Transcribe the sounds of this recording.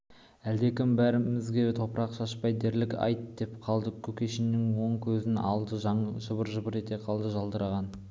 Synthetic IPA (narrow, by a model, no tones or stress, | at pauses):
æld̪e̞kʲɪmbæɾɪmɪzɡʲe̞t̪ʰo̞pəɾɑqʃɑʃpɑjd̪e̞ɾlɪkʲɑ̰jt̪d̪e̞pqʰɑlˠd̪əkʲʰɵkʲe̞ʃɪnːɪŋwo̞ɴkʲʰɵzɪnɑlˠd̪əʒɑɴʒəbəɾʒəbəɾe̞t̪e̞qʰɑlˠd̪əʒɑlˠd̪əɾɑʁɑn